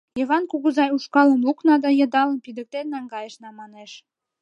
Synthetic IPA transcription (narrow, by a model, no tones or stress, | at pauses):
jɤ̆βɑnkuɣuzɑjuʃkɑləmluknɑd̪ɑjɤ̆d̪ɑləmpid̪ək̚t̪enːɑŋɡɑjəʃnɑmɑneʃ